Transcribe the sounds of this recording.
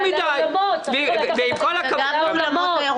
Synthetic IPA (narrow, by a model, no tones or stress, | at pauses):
mid̪ajovveimkolakalamot